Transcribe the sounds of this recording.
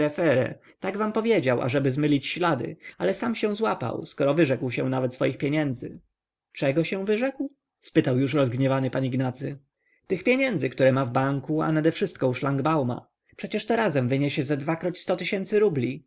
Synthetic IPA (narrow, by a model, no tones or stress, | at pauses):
ɾɛfɛɾɛ̰ | t̪aɡvampɔvʲjed͡ʑawʔa̰ʐɛbɘzmɘlʲit͡ɕɕlad̪ɘ̰alɛsamɕɛw̃zwapa̰wskɔɾɔvɘʐɛkwɕɛ̃navɛt̪sfɔjixpʲjeɲɛnd̪zɘ̰ | t͡ʂɛɡɔɕɛ̃vɘʐɛkw | spɘt̪awjuʂɾɔzɡɲɛvanɘpaɲiɡnat̪sɘ | t̪ɘxpʲjeɲɛnd̪zɘkt̪uɾɛmavbaŋkua̰nad̪ɛfʂɘst̪̚kɔwʂlaŋɡbawma̰ | pʂɛt͡ɕɛʂt̪ɔɾazɛmvɘɲeɕɛzɛd̪vakɾɔt͡ɕst̪ɔt̪ɪɕɛnt̪sɘɾublʲi